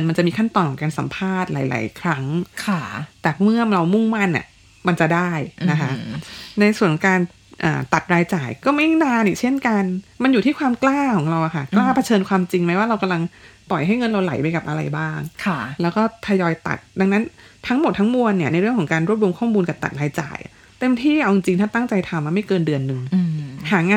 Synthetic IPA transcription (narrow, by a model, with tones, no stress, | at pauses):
nma˧nt͡ɕa˨˩miː˧kʰa˥˩nt̪ɔː˧˩nkʰɔː˨˩˦ŋkaː˧nsa̰˩˦mpʰaː˥˩t̪̚la̰ː˩˦jla̰ː˩˦jkʰɾa˦˥ŋkʰa˥˩t̪ɛː˨˩mɯ˥˩ɐɾa˧wmu˥˩ŋma˥˩nʔa̰˨˩ | ma˧nt͡ɕa˨˩daː˥˩jna˦kʰa˦˥na˧jsu˨˩ənkʰɔ˨˩˦ŋkaː˧n | ʔa̰ː˨˩t̪a˨˩t̪̚ɾaː˧jt͡ɕaː˨˩jkɔː˥˩ma˥˩jnaː˧nʔiː˨˩t͡ɕʰe˥˩nka˧nma˧njuː˨˩t̪ʰiː˥˩kʰwaː˧mklaː˥˩kʰɔː˩˦ŋɾa˧wʔa˨˩kʰa˥˩klaː˥˩pʰa˧t͡ɕʰɤː˧nkʰwaː˧mt͡ɕi˧ŋma˦˥jwaː˥ɾa˧wka˧mla˧ŋt̪ɔ˨˩jɦa˥˩jŋɤ˧nɾa˧wla̰˨˦jpa˧jka˨˩p̚ʔa˧ɾa̰˧jbaː˥˩ŋkʰlɛː˦˥wkɔː˥˩t̪ʰa˧jɔː˧jt̪a̰˨˩t̪̚da˧ŋna˦˥nt̪ʰa˦˥ŋmo˨˩t̪ʰːa˦˥ŋmu˧ənːi˥˩ɐna˧jɾɯ˥˩əŋkʰɔ˩˦ŋkaː˧nɾu˥˩p̚ɾu˧mkʰɔː˥˩muː˧nka˨˩pt̪a̰˨˩ɾaː˧jt͡ɕa̰ː˨˩jʔ | t̪e˧mt̪ʰiː˥˩ʔa˧wt͡ɕi˧ŋt͡ɕi˧ŋt̪ʰaː˥˩t̪a˥˩ŋt͡ɕa˧jt̪ʰa˧mːaː˧˩ma˥˩jkɤː˧ndɯ˧ənːɯ˨˧ŋhaː˩˦ŋaː˧